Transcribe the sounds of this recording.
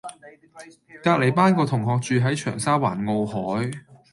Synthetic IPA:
kaː˧k̚le˨˩jpaː˥nkɔː˧t̪ʰʊ˨˩ŋɦɔː˨k̚t͡ʃyː˨˧ɦɐ˨˥jt͡ʃʰœː˨˩ŋsaː˥wa̰ː˨˩nŋo˧whɔː˨˥j

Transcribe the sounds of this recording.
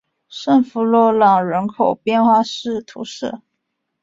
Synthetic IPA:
ʂə˥˩ŋfu˧˥lwɔ˥˩lɑ˨˩ŋɻə˧˥nkʰo˨˩ʊpjɛ˥˧nxwa˥˧ʂɻ̩˥˩t̪ʰṵ˧˥ʂ̩˥˩

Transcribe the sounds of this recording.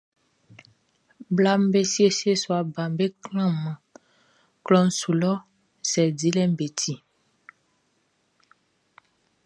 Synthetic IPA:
bla˦m˦be˦si˦e˦se˦swa˨ba˨m˦be˦klã˦˨mã˨ | klɔ˦n˦su˨lɔ˦ | sɛ˨di˦lɛ˦m˦be˨tʰi˨

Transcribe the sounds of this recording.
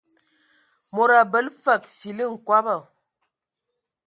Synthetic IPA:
mo˨ɾa˨bə˨˦lfə˨k̚si˨li˦ŋ̩˨kwa˦bə˦˨

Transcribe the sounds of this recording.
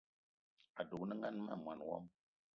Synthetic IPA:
a˨du˨knə˦ŋa˦nma̰˦˨mwa˨nwɔ̰˦m

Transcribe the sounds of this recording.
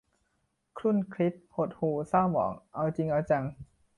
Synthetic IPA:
kʰɾu˥˩˨nkʰli˦˥p̚ho˨˩t̪̚huː˨˩saː˥˩wmɔ̰ː˩˦ŋʔa˧wt͡ɕi˧ŋʔa˧wt͡ɕa˧ŋ

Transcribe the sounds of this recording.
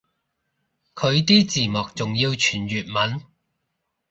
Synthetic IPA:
kʰɵ˨˧ɥt̪iː˥t͡siː˨mɔː˨k̚t͡sʊ˨ŋjiː˧wt͡ʃʰyː˨˩njyː˨t̚mɐ˨˥n

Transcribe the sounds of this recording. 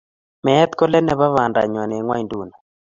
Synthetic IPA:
mɛ˨ɛ˦t̪kɔ˦lɛ˦nɛ˨βa˦βa˨nda̰˨ɲwɔ˨nɛ˨ŋwa˦jndu˦˨na˨

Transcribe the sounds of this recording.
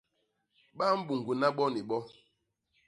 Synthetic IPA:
ɓa˦m̩˦bu˨ŋ˨ɡu˨na˦ɓɔ˦ni˨ɓɔ˦

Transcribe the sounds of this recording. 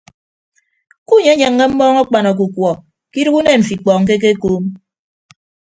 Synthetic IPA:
ku˦ɲe˨˦ɲe˨ŋːe˦m̩˦bɔː˦ŋɔ˦k͡pa˨nɔ˨k̬u˨kwɔ˨ | ki˦ɾu˦ɣu˦ne˦˨ɱ̩˨fi˨k͡pɔː˨ŋ̩˨k̬e˦k̬e˦koː˦m

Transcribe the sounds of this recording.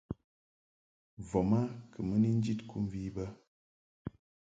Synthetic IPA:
vɔ˨ma˦kə˨mə˦ni˦n˦d͡ʒi˦tku˦m˦vi˦bə˦

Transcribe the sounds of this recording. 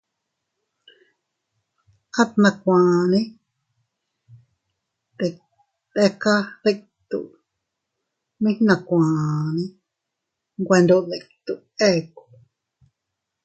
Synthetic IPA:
ka˦t̪nã˧kʷãː˨nĩ˦ | t̪e˨ | t̪e˧ka˦ðe˧k | t̪ṵ˧˨ʔ | mĩ˦hnã˨kʷãː˨nĩ˦ | ŋɡʷe˧nd̪o˧ʔðe˧˨kt̪u˨ʔe˦˧ku̥˨

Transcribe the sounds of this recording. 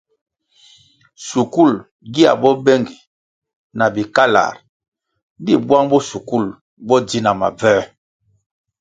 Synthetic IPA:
su˨ku˦˨l | ɡi˦a̰˨bɔ˦bɛ˦ŋɡi˨ | na˨bi˨ka˦la̰˨ɾ | di˦˨bwa˦ŋbɔ˦su˨ku˦˨l | bɔ˦di˦na˨ma̰˨vɛː˦

